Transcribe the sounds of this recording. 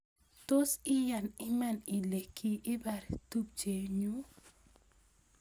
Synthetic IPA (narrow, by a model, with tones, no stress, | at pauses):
to˦sɪ˦ja˨nɪ˦mɛ˦˨nɪ˨le˨kʰi˦ʔɪ˦ba˨ɾtu˦p̚t͡ʃe˨ɲu˦